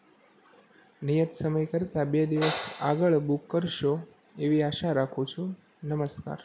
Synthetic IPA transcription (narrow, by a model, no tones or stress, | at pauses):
nijət̪səməjkəɾt̪abed̪iʋəsa̰ɡəɭbukːəɾʃo | eʋiaʃaɾakʰũt͡ʃʰu | nəməska̰ɾ